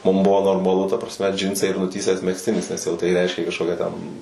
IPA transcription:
ˈmʊm ˈbʊʋoː noːrmɐˈlˠʊ tɐ prɐsʲˈmʲɛ ˈd͡ʒʲɪnsɐɪ ɪr nʊˈtʲiːsʲæːs mʲɛksʲˈtʲɪnʲɪs nʲɛs jɛʊ tɐɪ ˈrʲɛɪʃʲkʲeː kɐʃˈkoːkʲæː tʲɛn

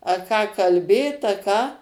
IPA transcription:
ɐ ˈkɑː kɐlʲˈbʲeːt ɐ ˈkɑː

